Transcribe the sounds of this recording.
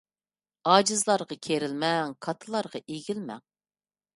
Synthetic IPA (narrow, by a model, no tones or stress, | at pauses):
ɑːd͡ʒɨzlˠɑɾʁɑkʲʰeɾɪlmɛŋkʰɑt̪ʰɨlˠɑɾʁɑʔeɡʲilmɛ̰ŋ